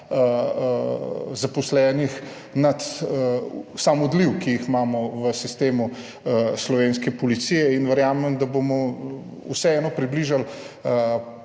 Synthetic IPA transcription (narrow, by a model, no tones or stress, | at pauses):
zapɔslɛːnix | nat̪ | samud̪liwkijiximaːmɔʋəsist̪eːmu | slɔʋeːnskɛpɔlit̪sijɛinʋəɾjaːmɛmd̪abomɔ | usɛɛːnɔpɾibliʒal